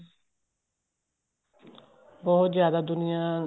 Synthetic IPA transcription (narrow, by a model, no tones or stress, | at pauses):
bɔɦʊt̪zjaːd̪aːd̪ʊnɪjaː